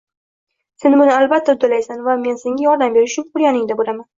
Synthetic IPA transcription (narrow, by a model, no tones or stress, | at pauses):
se̞nmʊnɪalbat̪ʰːat̪ʰːalajsanvame̞nseŋʲajɒɾd̪ambe̞ɾɪʊʃt͡ʃʰʊŋʊɾjanɪŋd̪abolaman